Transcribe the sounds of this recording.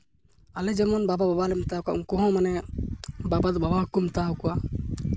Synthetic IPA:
alɛd͡ʒɛmɔnbabababalɛmt̪akaʔumkɔɦɔ̃manɛ | babad̪ɔbabaɦukumt̪akua

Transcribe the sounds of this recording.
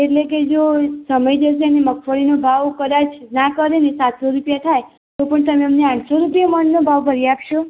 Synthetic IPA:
eʈleked͡ʒosəməjd͡ʒəʃ̬eəneməkʰfəɭinobʱaʋkəɾad͡ʒnakəɾenesat̪soɾupjat̪ʰaj | t̪opəɳt̪əmeəmneãʈʰsoɾupijamənːobʱaʋbʱəɾiapʃo

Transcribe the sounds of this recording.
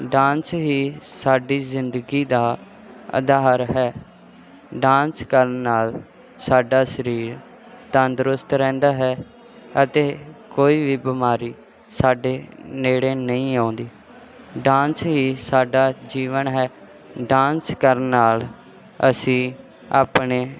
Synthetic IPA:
ɖãːnsɦiːsaːɖiːzɪnd̪əɡiːd̪aː | ə̰d̪aːɾɦɛː | ɖãːnskəɾːaːl | saːɖaːsəɾiːɾ | t̪aːnd̪ɾʊst̪ɾɛ̃ːnd̪aːɦɛː | ət̪eːkoːiːʋiːbɪmaːɾiː | saːɖeːneːɽeːnəĩːãːʊ̃nd̪iː | ɖãːnsɦiːsaːɖaːd͡ʒiːʋənɦɛː | ɖãːnskəɾːaːl | ə̰sĩː | a̰ːpɳeː

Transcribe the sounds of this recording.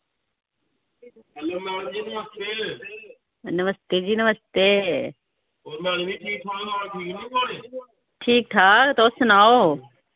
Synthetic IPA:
əlomaːɽd͡ʒiːnəʋəst̪eː | nəʋəst̪eːd͡ʒiːnʋəst̪eː | oːɾmaːnebiːʈʰiːk̚t̪ʰaːaːʈʰiːknĩːkaːneː | ʈʰiːk̚t̪ʰaːt̪oːsənaːoː

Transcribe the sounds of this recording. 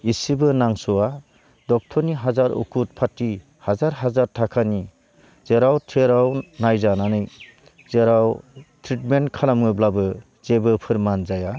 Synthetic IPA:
isibɯnaŋsɔwa | dɔk̚tʰɔɾniɦazaɾṵkʰut̚pʰatːi | hazaɾɦazaɾtʰakʰani | zeɾawtʰeɾawnajzananɯj | zeɾawtʰɾitmentkʰalamŋɯblabɯ | z̥ebɯpʰɯɾmanzaja

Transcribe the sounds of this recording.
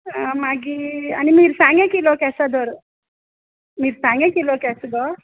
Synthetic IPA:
maɡia̰nimiːɾsãŋɡɛ̃kilɔkɛsad̪əɾ | miːɾsãŋɡɛ̃kilɔkɛsɡɔ

